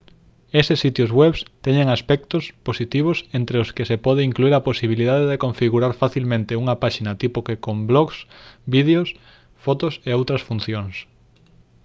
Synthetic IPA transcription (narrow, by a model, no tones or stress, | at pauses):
esɪsːit̪jozɣwɛβst̪ɛɲeŋaspɛk̚t̪osposit̪iβ̞osent̪ɾeʊskesepɔð̞eiŋkluiɾɐposiβ̞iliðaðeðekõɱfiɣuɾaɾfaθilmẽnt̪euŋɐpaʃinɐt̪ipʊkekomblɔɣsbið̞eos | fɔt̪oseowt̪ɾɐsfunθjoŋs